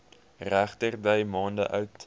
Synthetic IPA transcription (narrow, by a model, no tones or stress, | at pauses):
ræχtərdɛjmɑːndə̰ʔœɥt